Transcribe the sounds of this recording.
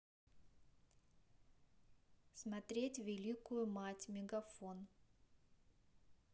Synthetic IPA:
smɐt̪ɾʲetʲvʲɪlʲikʊjʊmatʲmʲɪɡɐfon

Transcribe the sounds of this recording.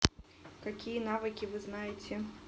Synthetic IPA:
kakʲijɐnavɨkʲivɨznajɪt͡sʲɛ

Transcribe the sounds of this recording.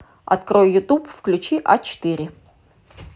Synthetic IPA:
a̰t̪krojːut̪ʼupfklʲut͡ʃiʔat͡ʃt̪ɨɾʲɪ

